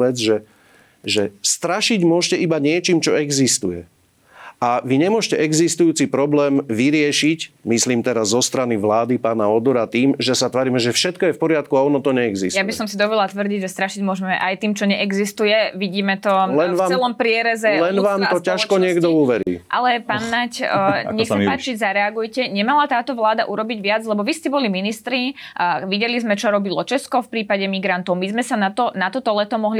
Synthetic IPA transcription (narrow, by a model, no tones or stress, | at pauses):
ʋɛd͡zʒɛ | ʒɛst̪ɾaʃiɟmʊɔʃcɛʔibaɲɪɛt͡ʃiːmt͡ʃɔɛɡzist̪ujɛ̰ | ʔaʋiɲɛmʊɔʃcɛʔɛɡzist̪ujuːt͡sipɾɔblɛːmʋiɾɪɛʃicmisliːmt̪ɛɾazːɔst̪ɾaniʋlaːd̪ipaːnaɔd̪ɔɾat̪iːmʒɛsat̪ʋaːɾiːmɛʒɛfʃɛt̪kɔjɛfpɔɾɪat̪kuaɔnɔt̪ɔɲɛɛɡzḭstjabisɔmsid̪ɔʋɔd̪lat̪ʋr̩ɟiɟʒɛst̪ɾaʃiɟmʊɔʒɛmɛʔajt̪iːmt͡ʃɔɲɛʔɛɡzist̪ujɛʋiɟiːmɛt̪ɔlɛaːt͡sɛɛlɔmpɾɪɛɾɛzɛlɛnʋaːmt̪ɔcaʃkɔɲɪɛɡd̪ɔuʋɛɾḭːʔa̰lɛpanːacɲɛxsapaːt͡ʃizaɾɛaɡujcɛɲɛmalat̪aːt̪ɔʋlaːd̪aʔuɾɔbiɟʋɪad͡zlɛbɔʋiscɛbɔliminist̪ɾiʋiɟɛlizmɛt͡ʃɔɾɔbilɔt͡ʃɛskɔfpɾiːpaɟɛmiɡɾant̪ɔʊmizmɛsanat̪ɔnat̪ɔt̪ɔlɛt̪ɔmɔɦli